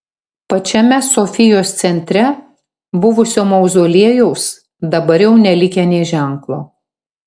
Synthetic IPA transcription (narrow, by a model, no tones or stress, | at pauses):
pɐt͡ʃʲɛmʲɛsofʲɪjoːst̪sʲɛnʲt̪ʲɾʲɛ | bʊʋʊsʲoːmɐʊzoːlʲiɛjɛʊs | d̪ɐbɐɾjɛʊnʲɛlʲɪkʲɛnʲeːʒʲæˑŋklˠo̰ː